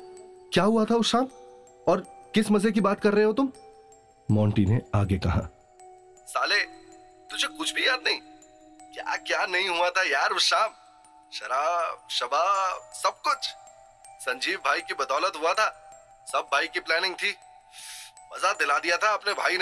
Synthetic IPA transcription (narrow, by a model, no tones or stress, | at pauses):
kjaːɦuat̪ʰaʊsʃaːm | ɔːɾkɪsmɐzek̬ibaːt̪̚kɐɾːɐɦeɦot̪ʊm | mɔːɳʈineaːɡekɐɦa̰ː | saːleː | t̪ʊd͡ʒʱekʊt͡ʃʰbʱijaːd̪nɐɦĩ | kja̰ːkjaːnɐɦĩɦuat̪ʰajaːɾʊʃaːm | ʃɐɾaːb̚ʃɐbaːbsɐb̚kʊt͡ʃʰ | sɐ̃ɲd͡ʒiːʋbʱaːikibɐd̪ɔːlət̪ɦuat̪ʰaː | sɐbʱːaːikiplɛːnɪ̃ŋɡ̚t̪ʰiː | mɐzad̪ɪlad̪ijat̪ʰaɐpnebʱaːin